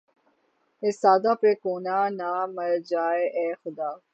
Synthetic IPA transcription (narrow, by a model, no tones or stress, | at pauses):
esaːd̪ãːpekoːnaːnaːmɐɾd͡ʒaːeʔɛːxʊd̪aː